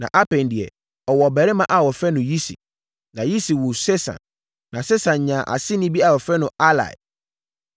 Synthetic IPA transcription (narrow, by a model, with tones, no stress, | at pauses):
nã̰˨ʔa˦pʰɛ̃˨n˨dɪ˨ɛ̰˨ | ɔ˨wɔ˨bɛ˨ɾɛ˦mã˨ʔa˨wɔ˨fɾɛ˦nʊ̃˨ji˦sḭ˨ | nã˨ji˦si˨wu˨se˦sã̰˨nː | ã˨se˦sã˨n˨ɲã˨ʔa̰˨sɪ˦nɪ̃˦bi˦a˨wɔ˨fɾɛ˦nʊ̃˨ʔa˦la̰˨